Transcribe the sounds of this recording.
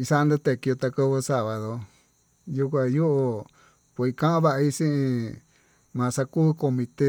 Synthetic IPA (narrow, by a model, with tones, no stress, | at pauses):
i˧sa˦˧nd̪u˧t̪e˧˨ki˧o˧t̪a˧ka˧βɨ˧sa˧βa˨ðo˧ | ju˧kʷã˧ju˦ʔo˧ | pʷe˧˨i˧kã˦ã˦βa˧ʔa˧i˦sĩ˦ʔĩ˧ | mã˨˧sa˧ku˦˧ko˧mĩ˧t̪e˦